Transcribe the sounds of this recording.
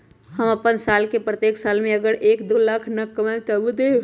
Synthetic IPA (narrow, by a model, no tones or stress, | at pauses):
həməpənsaːlkepɾət̪jeːkʰsaːlmẽəɡəɾʔeːkd̪oːlakʰnəkːəmãt̪əbud̪e